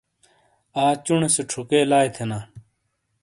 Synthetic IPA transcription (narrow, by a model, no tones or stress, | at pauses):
aːt͡ɕuɳeseʈ͡ʂʰukeːlaːjt̪ʰenaː